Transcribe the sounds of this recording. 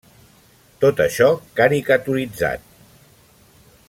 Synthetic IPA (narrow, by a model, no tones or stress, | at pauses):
t̪ot̪əʃɔkaɾikət̪uɾid͡za̰t̪̚